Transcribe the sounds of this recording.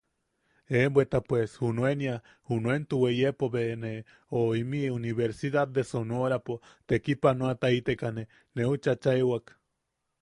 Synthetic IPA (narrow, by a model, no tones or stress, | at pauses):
embwet̪apweshunwenja | hunwent̪uwejepoβene | oimiuniβeɾsiðad̪̚ːesonoɾapot̪ekipanoat̪ait̪ekane | neut͡ʃat͡ʃaewak